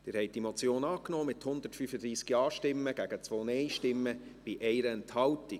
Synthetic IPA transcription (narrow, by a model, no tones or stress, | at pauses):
d̥ɪːɾhɛɪt̚d̥imɔt͡sjoːnɑːknɔːmɪthʊnd̪əɾtfyfəd̪ɾiːskiɑːʃtɪmːəɡ̥æɡət͡svoːnɛɪʃtɪmːəb̥ɪʔɛɪɾəɛnthɑlti